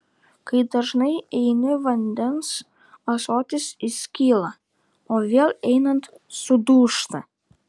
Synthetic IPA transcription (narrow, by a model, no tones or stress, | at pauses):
kɐɪd̪ɐʒnɐɪɛɪnʲɪʋɐnʲd̪ʲɛns | ɐsoːt̪ʲɪsɪsʲkʲiːlˠɐ | oːʋʲeːlʲˠɛɪnɐnt̪ | sʊd̪uːʃt̪ɐ